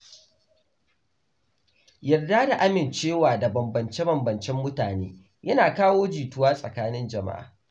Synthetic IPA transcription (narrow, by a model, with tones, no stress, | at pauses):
jɐ˨rdaː˦da˨ʔa˦mɪ˨nt͡ʃeː˦waː˨da˨bɐ˨mbɐ˨nt͡ʃe˦bɐ˨mbɐ˨nt͡ʃɛ˦mːʊ˦taː˨neː˦ | jɐ˦naː˨kaː˦woː˦d͡ʒiː˨tʊ˦waː˦sʼɐ̰˨kaː˦nɪ˦nd͡ʒɐ˨ma̰˦ʔa̰ː˨